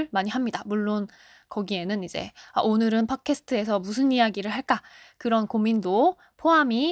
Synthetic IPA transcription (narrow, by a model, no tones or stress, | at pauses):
ɭmaɲiɦamɲidamuɭːon | kʌɡie̞nɯnid͡ʑe̞̰a̰ʔonɯɾɯnpʰʌkʰe̞sʰɯ̥tʰɯe̞sʰʌmusʰɯnijaɡiɾɯɭɦaɭk͈a | kɯɾʌnkomindo | pʰoami